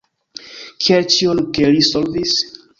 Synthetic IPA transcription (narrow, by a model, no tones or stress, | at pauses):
kʰialt͡ʃionkelisolvis